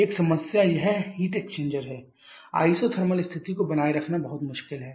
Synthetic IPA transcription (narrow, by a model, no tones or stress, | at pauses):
eːksɐməsjajɐɦɛhiːʈeːkt͡ʃẽːɲd͡ʒəɾɦɛː | a̰ːisot̪ʰɐɾməlɪst̪ʰɪt̪ikobɐnaːiɾɐkʰnabɐɦʊt̪mʊʃkɪlɦɛː